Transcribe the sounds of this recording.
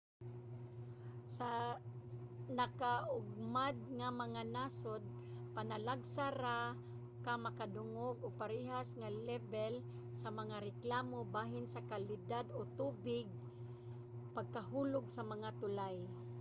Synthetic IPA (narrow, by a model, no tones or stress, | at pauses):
sa | nakaʔʊɡ̚mad̪̚ŋamaŋanasʊd̪̚ | panalaɡsaɾa | kamakad̪ʊŋoɡoɡ̚paɾɪɦasŋalɛbɛl | samaŋaɾɪklaːmobaːɦɪnsakalɪd̪ad̪ot̪uːbɪɡ̚ | paɡ̚kaɦuːlʊɡsamaŋat̪ʊlaj